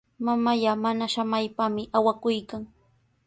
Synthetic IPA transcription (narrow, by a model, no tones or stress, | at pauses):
mamaʎamanaʃamajpamɪʔawakʊjkaŋ